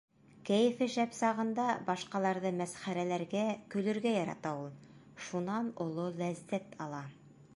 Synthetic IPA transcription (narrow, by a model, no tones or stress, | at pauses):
kæjɘ̆fɘʃæpsɑʁɤ̆nd̪ɑbɑʃqɑlˠɑɾðɤmæsχæɾælæɾɡækɵ̆lɵ̆ɾɡæjɑɾɑ̰t̪ɑulˠ | ʃunɑnŏlˠolæzːæt̪ʰɑlˠɑ